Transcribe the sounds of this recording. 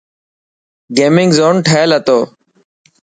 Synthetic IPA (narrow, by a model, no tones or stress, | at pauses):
ɡeːmɪŋɡzoːnʈʰəelət̪oː